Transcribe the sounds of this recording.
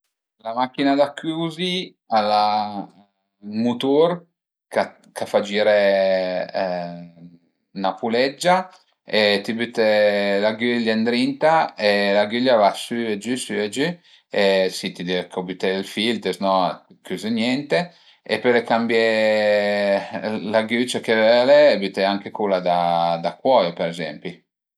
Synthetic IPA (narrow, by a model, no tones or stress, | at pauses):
lamakːinad̪akʰːuːzi | ala | mut̪uɾ | ka | kafad͡ʒiːɾe | napulɛd͡ʒːa | et̪ibyt̪elaɡylːand̪ɾint̪aelaɡyljavasyed͡ʒysyed͡ʒy | esit̪id̪ivekobyt̪ɛlfilt̪esnɔ | kyzinjɛnt̪e | ḛpelekambjɛ | laɡyt͡ʃakevɛleːbyt̪ɛaŋkekulad̪ad̪akwɔjopeɾezɛ̰mpi